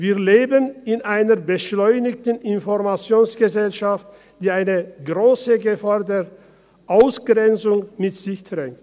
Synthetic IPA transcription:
viːɐleːbənɪnʔaɪnɐɐbəʃlɔʏnɪk̚tən̩ʔɪnfɔʁmat͡sjoːnsɡ̥əzɛlʃaft | d̥iːaɪnəɡʁoːsəɡəfaːɐdeːʁ | ʔaʊsɡ̥ʁɛnt͡sʊŋmɪtz̥ɪçd̥ʁɛŋt

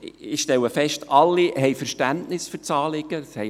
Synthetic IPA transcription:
ɪʃtɛləfɛʃtʰɑlːiɦɛjfɛɾʃtæntnɪsfʏrt͡sɑːlɪɡ̥ə̥shɛɪ

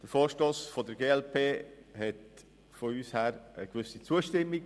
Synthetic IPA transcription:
d̥əɾfoːɾʃtoːsfodəɾɡeːɛlpʰeːhɛt | foyːshæːɾəɡvʏsit͡suːəʃtɪmːik

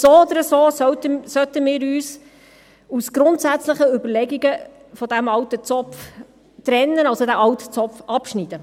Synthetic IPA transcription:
soːod̪əɾəsoːsœtəsœt̪əmɪːɾyːs | usɡ̥ɾʊntsæt͡slɪχəʏbəlɛɡiɡə | fɔd̪æmɑwtət͡sɔf | t̪ɾɛnːənɑlsodæʔɑwtə̥t͡sɔpfɑpʃnid̥̪ə

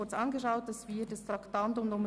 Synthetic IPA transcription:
ʊɾt͡sɑːnɡəʃaʊt̚d̥ɑsviːdɑstɾɑktɑntʊmdʊmə

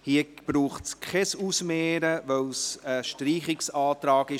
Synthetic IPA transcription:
hiəb̥ɾuːχtskʰɛsusmeːɾəʋœwsəʃtɾiːχɪksɑːt̪ɾɑːɡɪ

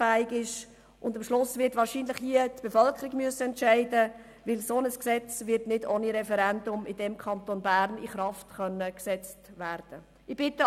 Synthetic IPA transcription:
fæːɪɡɪʃ | ʔʊndɑmʃlʊsvɪtʋɑːɾʃiːnləχhiətb̥efœlkʰəɾiɡmyəsəɛntt͡ʃæɪdə | ʋɪlsonəsksɛt͡sʋɪɾtnɪdoniɾɛfɛɾɛndʊmɪd̥ɛmkʰɑnt̪onbæːɾnɪ̰χɾɑftχœnːəksɛt͡stʋæːɾd̥ə | ɪb̥ɪtə

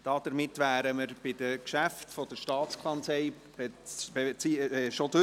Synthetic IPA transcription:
d̥ɑːd̥əɾmɪtʋæːɾəməɾb̥ɪd̥̪əkʃæftfɔd̥̪əɾʃtɑːtt͡skʰɑnt͡sɛj | bɛbet͡siʃod̥ɵ

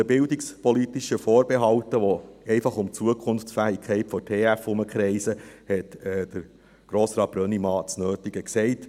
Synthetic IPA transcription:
əbɪldɪkspɔlitiʃəfoːɾbeɦɑwtəʋɔɛɪfɑχʊmt͡suəkʰʊnft͡sfæːɪkʰɛɪtfɔtʰeːæfʊməkχɾɛɪsəhɛtɛːd̥əɾ | ɡ̥ɾoːsɾɑːt̚b̥ɾœnimɑːt͡snøːtiɡəksɛɪt

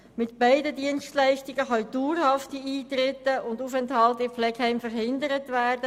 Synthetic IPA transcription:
mɪtb̥æɪdədiənstlæɪʃtɪɡəχœjd̥uːrhɑftiiːt̪ɾɪtːəʊnduːfɛnthɑltɪflɛkhɛɪmfəɾhɪndəɾətʋæːrdə

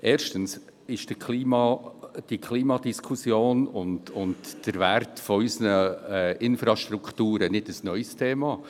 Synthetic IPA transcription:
ʔeːɾʃtəns | ɪʃd̥əkʰliːmɑd̥ikʰliːmɑdiskʰusjoːnʊntʊntd̥əɾvæɾtfɔysnəɛɪnfɾɑʃt̪ɾukʰtuːɾənɪdəsnœʏstʰeːmɑ

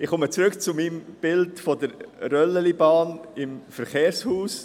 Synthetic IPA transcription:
ɪχʊmət͡sɾʏkt͡sʊmiːmb̥ɪltfɔdəɾɾœlːəlibɑːnɪmfəɾχeːɾshuːs

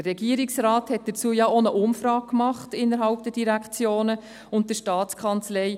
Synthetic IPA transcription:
əːɛɡiəɾiksrɑːthɛt̚d̥ət͡suəjɑonəʔʊmfɾɑːk̚kmɑχtɪnːəɾɦɑlp̚d̥əd̥iɾækχt͡sjoːnə | ʊnt̚d̥əʃtɑːt͡skʰɑnt͡slɛɪ

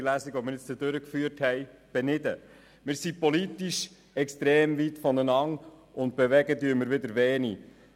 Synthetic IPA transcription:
læsiɡvomɪɾɪt͡st͡sədøɾəkfyːəɾthɛjb̥ɛnɪdə | mɪːɾsipɔlitiʃ | ɛkst̪ɾɛːmvit̪fɔnənɑŋ | ʔʊnt̪̚b̥ɛʋɛɡədyəməɾʋɪdəɾʋɛːni

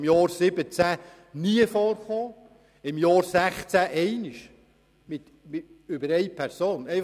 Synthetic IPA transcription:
mjɑːɾsɪbət͡sæ | niəfɔːrχoː | ɪmjɑːɾsæχt͡sæʔɛɪnɪʃ | mɪt̪ | mɪʏbəɾɛɪpʰɛɾsoːnɛɪ

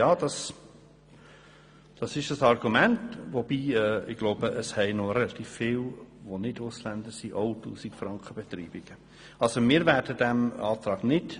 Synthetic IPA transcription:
jɑːd̥ɑs | d̥ɑsɪʃdɑsɑrɡ̥umæntvob̥iːɛːɪɡ̥loʊbəʔəshɛɪnorɛlɑt̪iːfːɪːlʋonɪdʊslænd̪əsiʔoʊtuːsikfrɑŋkχəb̥ɛt̪ɾiːb̥ɪɡ̥ə | ɑlsomɪːɾvæːɾd̥ədæmɑ̰ːt̪ɾɑːɡ̥nɪd

